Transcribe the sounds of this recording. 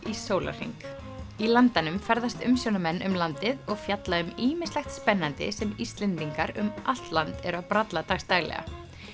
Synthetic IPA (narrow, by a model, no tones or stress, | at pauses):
isoːwla̰r̥r̥ḭŋk | ilant̪anʏmfɛɾðast̪ʏmsjownamɛnːʔʏmlant̪ɪðɔɣfjat̪laʏmiːmɪnst̪lɛxt̪spɛnːant̪ɪ̰sɛmist̪lɛnt̪iŋkaɾʏ̰mʔal̥t̪lant̪ɛɾʏawpɾat̪lat̪aɣst̪aːɣlɛ̰ɣa̰